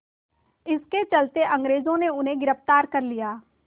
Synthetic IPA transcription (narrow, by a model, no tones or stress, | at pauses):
ɪsket͡ʃɐlt̪eʔɐ̃ŋɡɾeːzõneʊnɦẽɡɪɾəft̪aːɾkɐɾlijaː